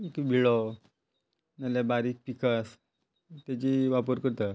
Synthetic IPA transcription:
ekbʱiɭɔ | nalabaɾik̚pikʰas | t̪at͡ɕiʋapəɾkəɾt̪a

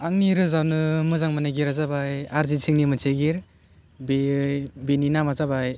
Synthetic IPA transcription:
aŋniɾɯzawnɯmɯzaŋmanaɡiɾazabajaɾzisʰiŋnimɯnsʰeɡiɾ | bebeninamazabaj

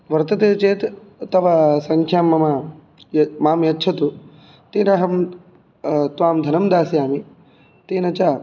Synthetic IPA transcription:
ʋɐɾt̪ɐt̪eːt͡ʃeːt̪t̪ɐʋɐsɐŋkʰjaːmːɐma | jmaːmjɐtːʃʰɐt̪u | t̪eːnɐɦɐm | t̪ʋaːmd̪ʱɐnɐmd̪aːsijaːmi | t̪eːnɐt͡ʃaː

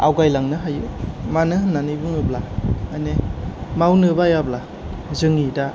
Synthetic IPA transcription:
a̰wɡajlaŋnɯɦajṵmanɯhɯnːanibɯŋɯblaajnemawnɯbajabla | zɯŋida

